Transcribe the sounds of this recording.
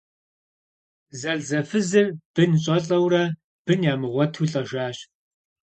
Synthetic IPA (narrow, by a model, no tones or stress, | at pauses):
zɐɮzɐfɨzɨrb̥ɨnɕʼɐɬʼɐwrɐ | b̥ɨnjaːmɨʁʷɔtʰuɬʼɐʒʷaːɕ